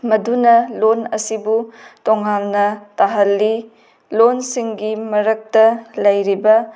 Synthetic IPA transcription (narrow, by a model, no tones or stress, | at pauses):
mɐdunɐlonɐsibutɔŋːamnɐtaɦɐlːi | lonsiŋɡimɐɾɐk̚tɐlɐjɾibɐ